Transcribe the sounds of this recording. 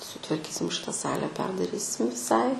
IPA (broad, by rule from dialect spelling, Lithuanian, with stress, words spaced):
sʊtʋɐrʲˈkʲiːsʲɪm ˈʃʲɪtɐ ˈsɑːlʲɛ ˈpʲɛrdɐrʲiːsʲɪm ʋʲɪˈsɐɪ